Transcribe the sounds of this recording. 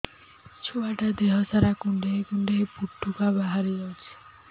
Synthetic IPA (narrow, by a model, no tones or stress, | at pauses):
t͡ʃʰoaʈad̪eɦɔsaɾakuɳɖeɦkuɳɖeɦepuʈʰːukabaɦaɾed͡ʒawt͡ʃʰi̥